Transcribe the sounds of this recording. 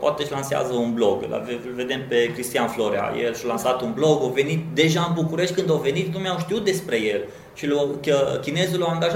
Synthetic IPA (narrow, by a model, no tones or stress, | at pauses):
po̰a̰t̪eʃʲlansea̰zəunblo̞ɡla̰velve̞d̪e̞mpe̞kɾist̪ijanfloɾea̰jḛlʃalansat̪unblo̞ɡowve̞nit̪̚d̪e̞ʒaɨnbukuɾe̞ʃt̪̚ʲkɨnd̪awve̞nit̪numawʃt̪iut̪̚d̪e̞spɾe̞je̞l | ʃilakəkʲine̞zulaaŋɡaʒa